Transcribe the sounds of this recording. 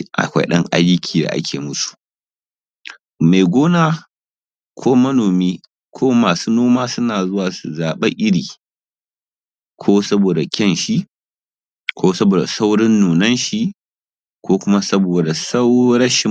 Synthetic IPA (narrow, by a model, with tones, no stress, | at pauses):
ʔa̰˨kʷa̰˦ɗɐ˦ŋʔa̰˦jʊ˦kʲʰiː˨da̰˨ʔa̰˦kʰʲeː˨mʊ˦su̥˨ | ma˨jɡʷoː˦naː˦ | kʷʰoː˦mɐ˦noː˨miː˦ | kʷʰoː˦maː˨suː˦noː˦maː˦sʊ˦naː˨zʊ˦waː˨su˨zaː˨ɓe˦ʔɪ˦ɽiː˨ | kʷʰoː˦sɐ˦boː˨da˨kʲɐ˦nʃi˦ʔ | kʷoː˦sɐ˦boː˨da˨sa˦wɽɪ˦nːuː˨nɐ˦nʃi˦ | kʷoː˦kʷʊ˦ma˦sɐ˦boː˨da˨sa˦wɽɐ˦ʃɪ˦